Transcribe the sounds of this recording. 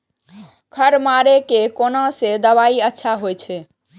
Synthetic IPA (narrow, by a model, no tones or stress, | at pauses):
kʰəɾmaɾekekonãsed̪əβaiətːʃʰaɦojt͡ʃʰɛ